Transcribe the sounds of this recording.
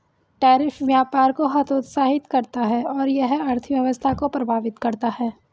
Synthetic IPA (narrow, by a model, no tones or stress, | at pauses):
ʈɛːɾɪfʋjaːpaːɾkoɦɐt̪ʰot̪saːɦɪt̪kɐɾt̪aɦɛɔːɾjɐɦɐɾt̪ʰiʋjɐʋəst̪ʰakopɾɐbʱaːʋɪt̪kɐɾt̪aɦɛː